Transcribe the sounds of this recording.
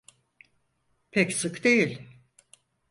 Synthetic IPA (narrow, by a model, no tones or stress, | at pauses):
pʰɛcsɯkd̪ejilʲ